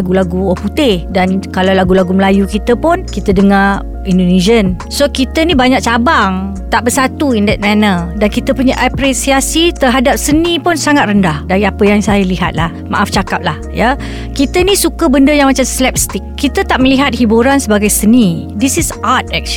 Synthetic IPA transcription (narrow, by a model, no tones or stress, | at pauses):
aɡulaɡuɔput̪ɪhdankalawlaɡulaɡuməlajukit̪əpʊnkit̪ədəŋa | indonid͡ʒən | sokit̪ənibaɲak̚t͡ʃabaŋ | t̪aʔbəsat̪uindɛt̪̚mɛnədankit̪əpuɲaʔapɾisiasit̪əɦadap̚sənipʊnsaŋat̪̚rəndahdaɾiapəjaŋsajəliɦa̰t̪̚lahma̰ʔaft͡ʃakap̚lahja | kit̪ənĩsukəbəndəjaŋmat͡ʃamsəlɛp̚st̪ik̚ːit̪ət̪aʔməliɦat̪̚hibuɾansəbaɡajsənidisisʔat̪̚ɛk̚ʃ